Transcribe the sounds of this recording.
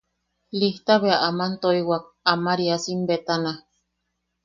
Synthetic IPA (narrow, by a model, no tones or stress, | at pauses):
liht̪aβeaʔamant̪oiwak̚amaɾiasimbet̪ana